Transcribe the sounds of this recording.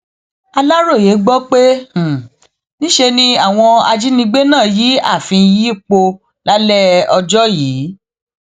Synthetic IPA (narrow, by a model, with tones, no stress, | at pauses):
a˧la˦ɾo˦˨je˨˦ɡ͡bɔ˦k͡pẽ˦˨ | nĩ˦ʃe˧nĩ˧a˦˨w̃ɔ̃˧a˧d͡ʒi˦nĩ˧ɡ͡be˦nãː˦˨ji˨˦a˦˨fĩ˧ji˦˨k͡po˧ | la˦lɛ˦ɔ˧d͡ʒɔ˦jiː˨˦